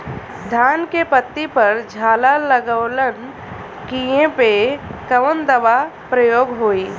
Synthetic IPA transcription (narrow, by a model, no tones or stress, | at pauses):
d̪ʱaːnkepət̪ːipəɾd͡ʒʱaːlaləɡəʋlən | kijẽpekəʋənd̪əʋapɾəjoːɡɦoːi